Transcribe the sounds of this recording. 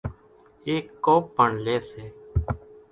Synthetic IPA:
eːkːoːp̚ːəɳleːseː

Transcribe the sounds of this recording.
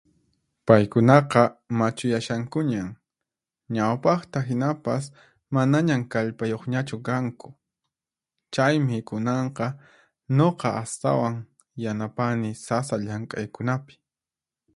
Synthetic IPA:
pajkʊnɑqɑmat͡ʃʊjaʃaŋkʊɲaŋ | ɲawpɑχt̪aɦɪnapas | manaɲamkaʎpajoχɲat͡ʃʊkaŋkʊ̥ | t͡ʃajmɪkʊnɑɴqɑ | ɲoqɑʔast̪a̰waŋ | janapanɪsasaʎaŋkʼajkʊnapɪ̥

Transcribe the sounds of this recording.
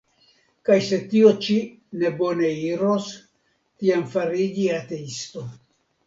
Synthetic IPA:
kajse̞t̪io̞t͡ʃi | ne̞bo̞ne̞iɾos | t̪iamfaɾid͡ʒiat̪e̞ist̪o̞

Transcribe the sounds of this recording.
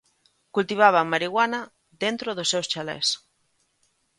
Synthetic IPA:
kult̪iβ̞aβamaɾiɣwanɐ | ðent̪ɾoðosːewst͡ʃalḛs

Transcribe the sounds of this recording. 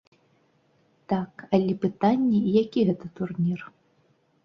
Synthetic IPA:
t̪akɐlʲɛpɨt̪anʲːɛijakʲiɣɛt̪ɐt̪urnʲir

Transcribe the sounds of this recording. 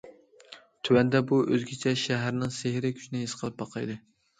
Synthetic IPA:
t̪ʰywɛnd̪ɛbuʔøzɡʲɛt͡ʃʰɛʃæɦæɾnɨŋsehɾɪkʲʰy̥ʃnɪɦesqʰəlˠɨp̚bɑqʰɑjd̪ɨ

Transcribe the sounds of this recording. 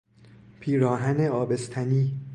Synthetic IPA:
pʰiːɾɒːɦæneɒːbe̞st̪ʰæniː

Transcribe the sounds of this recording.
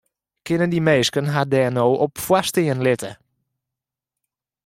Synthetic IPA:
kɪnəndimeːskənɦadɛːnoːʔɔpfwastɪənlɪtə̰

